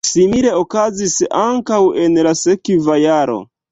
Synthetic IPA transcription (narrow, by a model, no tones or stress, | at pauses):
simile̞okazisaŋkawenlasekvajaɾo̞̰